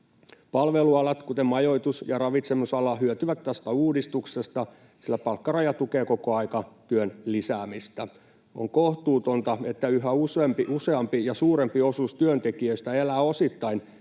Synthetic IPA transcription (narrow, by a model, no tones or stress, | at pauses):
pɑlʋeluɑlɑt̪kut̪emɑjo̞it̪usjɑrɑʋit̪semusɑlɑɦyøt̪yʋæt̪t̪ːæst̪æuːdist̪uksest̪ɑ | silːæpɑlkːɑrɑjɑt̪ukeːko̞koɑikɑt̪yønlisæːmist̪æ | o̰ŋkoht̪uːt̪o̞nt̪ɑe̞t̪ːæyɦæusempiʔuseɑmpijɑsuːɾempio̞sust̪yønt̪ekiøist̪æelæːo̞sit̪ːɑin